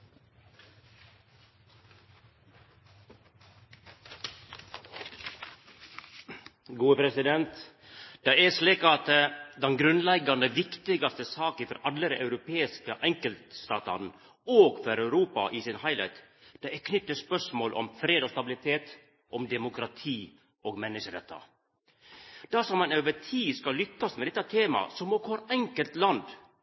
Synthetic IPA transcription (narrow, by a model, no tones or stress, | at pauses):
ɡuːəpɾɛsɪd̪ɛnt̪ | d̪̥ɑːæʂliːkɑt̪əd̪ɛnɡɾʉnlɛɡɑnəʋɪkt̪ɪɡɑst̪əsɑːkəfɔ̰ɾɑlːəɾɑʉɾʊpʰeːɪskəʔɛŋkəlt̪st̪ɑːt̪ɑ̰n | oːɡfɔɾɑʉɾuːpɑ̰ʔɪsɪnhɑɪlæ̰ɪt̪ | d̪̥ɛɛkʰnʏt̪ːəspœʂmoːlʔɔ̰mfɾeːd̪ɔst̪ɑbɪlɪt̪ʰeːt̪ | ʔɔmd̪ɛmʊkɾɑt̪ʰiː | ɔːɡmɛnːəʂəɾɛt̪ʰːɑ̰ | d̪̥ɑsɔmɑnøːʋətʰiːskɑlʏkːɑsmɛd̪ɛt̪ːɑt̪ʰeːmɑ̰sɔmɔkhɔɾɛŋkəlt̪lɑnd̪